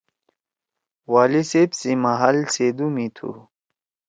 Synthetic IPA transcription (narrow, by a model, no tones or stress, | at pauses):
waːlisebsimaɦɐlsed̪umit̪ʰṵ